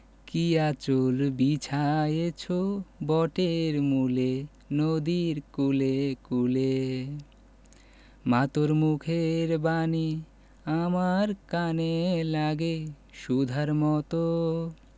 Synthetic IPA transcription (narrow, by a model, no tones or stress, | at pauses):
kiat͡ɕolbit͡ɕʰajet͡ɕʰobɔʈeɾmule | nod̪iɾkulekule | mat̪oɾmukʰeɾbani | amaɾkanelaɡe | ʃud̪ʱaɾmɔt̪o